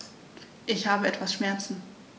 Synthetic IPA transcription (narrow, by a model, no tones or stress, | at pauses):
ʔɪçhaːbəɛtv̥asʃmɛɐt͡sn̩